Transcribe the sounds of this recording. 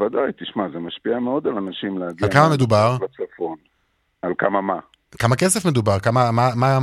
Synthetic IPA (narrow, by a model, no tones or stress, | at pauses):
vad̪ajt̪iʃmazemaʃpiameo̞d̪alanaʃimleaɡialkamame̞d̪ubaʁlat͡safo̞n | alkamama | kamakesefme̞d̪ubaʁkamamama